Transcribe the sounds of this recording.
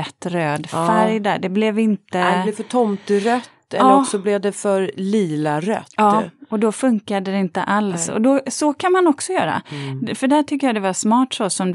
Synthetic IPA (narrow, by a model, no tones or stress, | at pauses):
ɛt̪ːɾøːd̪fæɾjd̪æɖɛblɛvɪnt̪əb̪lɛvfœʈʰɔmt̪ɾœt̪ːɛɑːɾɔksɔblɛvd̪ɛfœɾliːlaɾœ̰t̪ːɑːɔd̪ɔfɵŋkad̪əd̪ɛɪnt̪ə̰ʔalsɔ̰d̪ɔsɔkʰanmanɔksɔjœːɾa̰fœɖæʈʰʏkːəjad̪ɛvaʂmɑːʈsɔsɔmd̪